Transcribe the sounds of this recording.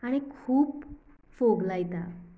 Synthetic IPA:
aɽ̃ikʰuːp | foɡlajt̪a̰

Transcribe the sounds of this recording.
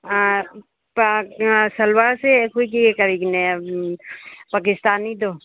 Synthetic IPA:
pasɐlwaːɾsekoikiekəɾikne | paːk̬ɪst̪aːnid̪oː

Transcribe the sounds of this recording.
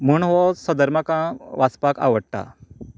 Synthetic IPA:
muɳʋɔsəd̪əɾməkãʋaspaka̰ʋəɽʈa̰

